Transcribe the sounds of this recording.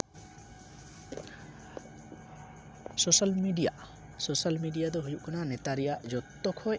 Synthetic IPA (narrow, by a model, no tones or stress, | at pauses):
sosalmiɖija̰ʔ | sosalmiɖijad̪ɔɦujuʔkananɛt̪aɾɛjaʔd͡ʒɔt̪ːɔkʰɔj